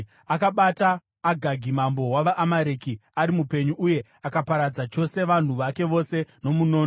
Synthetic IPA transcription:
akaɓataː | ɡʱaɡʱimambo̞waʋaʔːmaɾeːkiaɾimupe̞ɲuuje̞ | akapaɾad͡zat͡ʃo̞se̞ʋan̤uʋake̞ʋo̞se̞no̞muno̞ːn

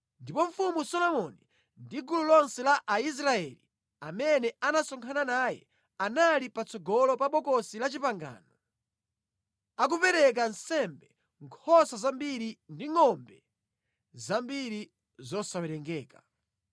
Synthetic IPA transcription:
ndipɔɱfumusɔlɔmɔni | ndiɡululɔnsɛlaʔais̬ɾaɛli | amɛnɛanasɔŋkʰananaːjɛ̰ | analipat͡sɔɡɔlɔpaɓɔkɔsilat͡ʃipaŋɡa̰ːnɔ | ak̬upɛɾɛk̬ansɛmbɛ | ŋkʰɔsazambiɾindiŋɔmbɛ | zambiɾi | zɔsawɛɾɛŋɡɛːka

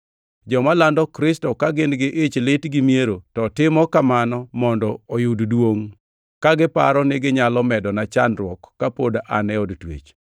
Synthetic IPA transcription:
d͡ʒɔmalandɔkɾɪstɔkaɡɪnɡɪʔet͡ʃlɪtɡɪmieɾotɔtɪmɔkamanɔmɔndɔojʊddwoŋ | kaɡɪpa̰ɾɔnɪɡɪɲalɔmɛdɔnat͡ʃanɾwɔkːapoda̰nɛɔdtwḛt͡ʃ

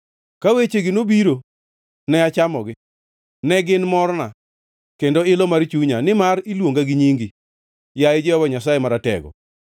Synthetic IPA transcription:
kawet͡ʃeɡɪnobiɾo | nɛat͡ʃamɔɡɪ | nɛɡɪnmɔɾna | kendɔɪlɔmart͡ʃuɲanɪmaɾilwoŋɡaɡɪɲiŋɡi | jaɪd͡ʒɛwabaɲasajemaɾatɛ̰ɡɔ̰

